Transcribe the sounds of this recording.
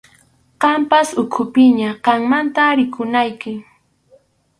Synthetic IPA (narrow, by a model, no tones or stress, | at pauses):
qɑmpasʊkʰʊpɪɲaqɑŋmant̪aɾɪkʊnajkɪ